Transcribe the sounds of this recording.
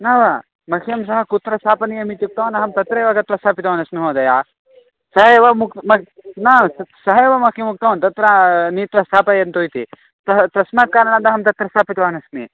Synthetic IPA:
naːʋɐ | mɐkʰijɐmsɐɦɐkut̪ɾɐst̪ʰaːpɐnijɐmit̪juk̚t̪ɐʋɐnɐɦɐmt̪ɐt̪ɾɐjʋaɡɐt̪ɾɐst̪ʰaːpit̪ʋaːnɐsmiɦoːd̪ɐjaː | sɐɦɐjʋɐmukt̪mɐnaːssɐɦɐjʋɐmɐkʰjimuk̚t̪ɐɐnt̪ɐt̪ɾɐniːt̪ʋɐst̪ʰaːpɐjɐnt̪oːjit̪ḭ | t̪ɐt̪ɐsmaːt̪̚kaːɾɐnand̪ɐɦɐmt̪ɐt̪ɾɐst̪ʰaːpit̪ʋaːnɐsmḭ

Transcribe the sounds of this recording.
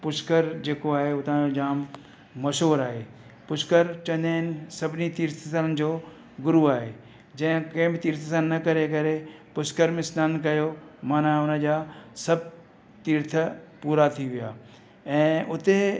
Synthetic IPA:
pʊʃkəɾd͡ʑeːkoaːɦeʊt̪ʰãod͡ʑaːmː | ɐʃoːɾaːɦeː | pʊʃkəɾt͡ɕɐ̃nd̪eːnsɐbʱɪnit̪iːɾt̪ʰəsələnɪ̆d͡ʑoː | ɡʊɾuaːɦeː | d͡ʑɐ̃ɦɪ̃kɐɪ̃mbt̪iːɾt̪ʰəsãnɐkɐɾekɐɾepʊskəɾmẽsnaːnkɐjomaːnãʊnəd͡ʑaːsɐb̚ | t̪iːɾt̪ʰəpuːɾat̪ʰiʋʊjaː | ɛ̃ːʊt̪e

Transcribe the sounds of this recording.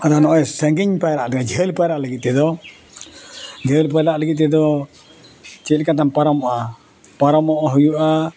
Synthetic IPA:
ad̪anɔʔɔɛsɛŋɡiɲpajɾaʔlɛɡad͡ʒʱɛlpajɾaʔləɡit̪̚ɛd̪ɔ | d͡ʒʱelpajɾaʔləɡit̪̚ːɛd̪ɔ | t͡ʃɛlkat̪ampaɾɔmɔʔa | paɾɔmɔʔaɦujuʔa

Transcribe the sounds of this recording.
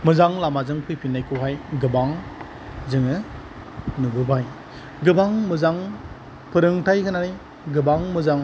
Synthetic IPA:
mɯzaŋlamazɯŋpʰɯjpʰinːajkʰuɦajɡɯbaŋ | zɯŋɯ | nubɯbaj | ɡɯbaŋmɯzaŋ | pʰɯɾɯŋtʰajkʰɯnaɾɯ | ɡɯbaŋmɯzaŋ

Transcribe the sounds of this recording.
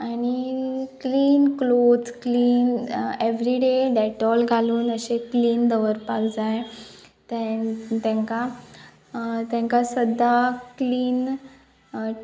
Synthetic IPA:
añikliːnklod͡zkliːneʋɾiɖeɖɛʈɔlɡʱaluːnəɕekliːnd̪əʋəɾpakd͡zaj | t̪ɛt̪ɛ̃ŋka | t̪ɛ̃ŋkasəd̪akliːn

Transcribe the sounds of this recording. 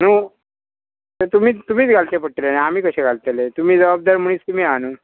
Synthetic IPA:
nu | t̪ət̪um̤iːt̪um̤iːt͡sɡʱalt̪epəɽʈ̪lenaamiːkəɕẽɡʱalt̪elet̪um̤iːd͡zəbab̚d̪aɾm̤əɽ̃iːst̪um̤iːanuː

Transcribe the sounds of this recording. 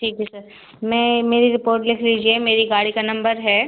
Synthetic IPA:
ʈʰiːkɦɛsɐɾ | mɛ̃ːmeːɾiɾɪpoːɾʈlɪkʰliːd͡ʒiemeːɾiɡaːɽikanɐ̃mbəɾɦɛː

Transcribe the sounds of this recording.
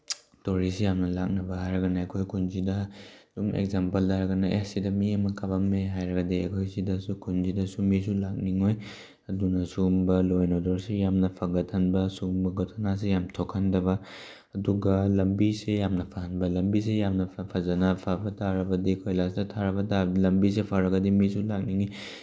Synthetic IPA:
toɾisejamnɐlak̚nɐbɐhajɾɐɡɐnaɐjkʰojkʰunzidɐdumḛɡzampɐldaɾɐɡɐnɐʔesidɐmiɐmɐkabɐmːeɦajɾɐɡɐdiɐ̰jkʰojsidɐsukʰunzidɐsumis̬ulak̚niŋoj | ɐdunɐsumbɐlojnodɔɾsejamnɐpʰaɡɐtʰɐnbɐsumbɐɡotʰanas̬ejamtʰokʰandɐβɐ | ɐduɡɐlɐmbisejamnɐpʰaɦɐnbɐlɐmbis̬ejamnɐpʰazɐnapʰabɐtʰaɾɐbɐdikʰojlasdɐtʰaɾɐbɐtalɐmbis̬epʰaɾɐɡɐdimisulak̚niŋi

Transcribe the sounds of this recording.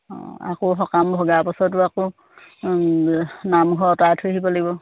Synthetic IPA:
ɔ̰a̰koxɔkambʱɔɡapasɔt̬uako | namɡʱɔɔtatʰoɦibɔlaɡibɔ

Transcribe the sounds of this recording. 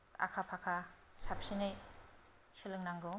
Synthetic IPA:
a̰kʰapʰakʰa | sap̚sinɯj | sɯlɯŋnaŋɡɔ

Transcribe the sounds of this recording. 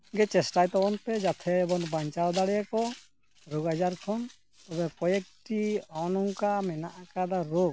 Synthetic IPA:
ɡɛt͡ʃɛsʈajt̪ɔbɔnpɛd͡ʒat̪ʰɛːbɔŋbaɲt͡ʃald̪aɽɛjakɔ | ɾoɡad͡ʒaɾkʰɔn | t̪ɔbɛkɔjɛk̚ʈianɔŋkamɛnaʔakad̪aɾok̚

